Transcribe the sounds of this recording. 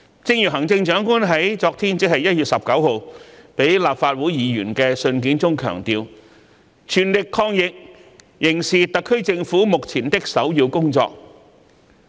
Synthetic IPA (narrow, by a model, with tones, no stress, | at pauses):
t͡sɪ˧ŋjyː˨˩ɦɐ˨˩ŋt͡sɪ˧ŋt͡ʃœː˨˥ŋkuː˥nɦɐ˨˥jt͡sɔː˧k̚t̪ʰiː˥nt͡sɪ˥k̚hɐ˨jɐ˥t̚jyː˨t̚sɐ˨p̚kɐ˨˥who˨wpe˨˥jlaː˨pfaː˧t̚wu˨˥jjiː˨˧ɥy̰ː˨˩nkɛː˧sɵ˧nkiː˨˥nt͡sʊ˥ŋkʰœ̰ː˨˩ŋt̪iː˧w | t͡ʃʰyː˨˩nlɪ˨kʰːɔː˧ŋjɪ˨k̚ | jɪ˨˩ŋsiː˨t̪ɐ˨kʰːɵ˥ɥt͡sɪ˧ŋfuː˨˥mʊ˨k̚t͡sʰiː˨˩nt̪ɪ˥k̚sɐ˨˥wjiː˧wkʊ˥ŋt͡sɔ̰ː˧k̚